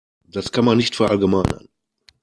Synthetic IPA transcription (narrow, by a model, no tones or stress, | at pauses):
d̥askʰanmanːɪçtfɛɐʔalɡəmaɪnə̰n